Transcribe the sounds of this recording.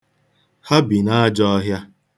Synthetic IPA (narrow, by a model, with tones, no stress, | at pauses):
ha˦bi˨na˦a˦d͡ʒɔ˦ɔ˦ɦja˦